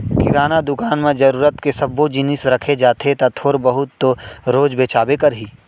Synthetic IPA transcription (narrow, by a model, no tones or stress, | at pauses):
kɪɾaːnad̪ʊkaːnmẽd͡ʒɐɾuːɾət̪kesɐbːod͡ʒɪnɪsɾɐkʰed͡ʒaːt̪ʰet̪ɐt̪ʰoːɾbɐɦʊt̪ːɾoːd͡ʒbeːt͡ʃaːbekɐɾɦiː